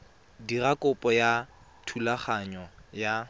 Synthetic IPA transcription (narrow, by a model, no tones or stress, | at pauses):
dirakʊpʼɔja | tʰulaχaɲɔja